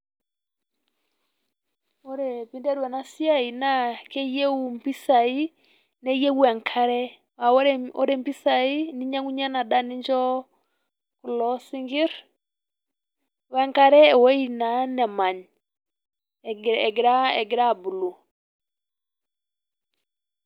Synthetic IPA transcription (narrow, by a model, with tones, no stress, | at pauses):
ɔ˦ɾɛ˨pi˨ndɛ˦ɾuwɛ˨na˦si˦a˦˨i˨na˦kɛ˦je˦wu˨mpi˦sa˨i˦ | nɛ˦je˦u˦ɛ˨ŋkʰa˦ɾɛ˦ | wa˨wɾɔ̰˦ɾɛ˨mpi˦sa˨i˦ni˦ɲa˦ŋu˦ɲa˦na˨da˦ni˦ɲd͡ʒɔ˦ | ku˨lɔ˦si˦ŋɡi˦ɾ | wɛ˨˦ŋka˦ɾɛ˦ɛ˨wɔ˦i˦na˨˦nɛ˨ma˨ɲ | ɛ˨ɡɾa˦ɛ̰˨ɡɪ˨ɾa˦˨bu˨lu˨